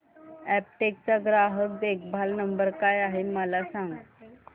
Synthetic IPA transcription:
æp̚ʈek̚t͡saɡɾaɦək̚d̪ekbʱalnəmbəɾkajaɦeməlasãŋɡ

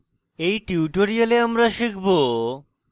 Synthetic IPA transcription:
ejʈiuʈoɾialeamɾaʃikʰbo

